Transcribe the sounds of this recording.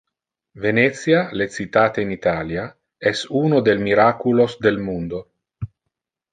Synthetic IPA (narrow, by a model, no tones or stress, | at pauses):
venɛt̪sjalet̪sit̪aːt̪einit̪aːlja | ɛsuːnod̪elmiɾakulosd̪elmund̪o